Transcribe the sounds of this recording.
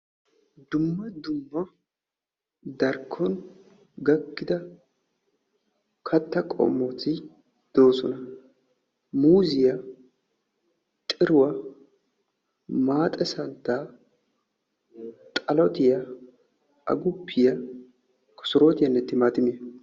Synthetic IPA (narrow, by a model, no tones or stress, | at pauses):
d̪ʊmːɐd̪ʊmːɐ | d̪ɐɾkʰːɔn | ɡɐkːɪd̪ɐ | kʰɐt̪ːɐkʼɔ̰mːot̪ɪ | d̪̥o̞ːsɔnɐ | muːzɪjɐ | t̪ʼɪɾʊwɐ | maːt̪ʼɛsɐnt̪ːaː | t̪ʼɐlɔt̪ɪjɐ | ʔɐ̰ɡʊpʰːɪjɐ | kʰɔ̥sʊɾo̞ːt̪ɪjɐnːɛt̪ːɪmaːt̪ɪme